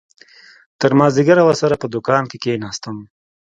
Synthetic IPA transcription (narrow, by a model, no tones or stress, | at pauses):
t̪əɾmɑːziɡaɾawəɾsaɾapəd̪ʊkɑːnkekenɑːst̪əm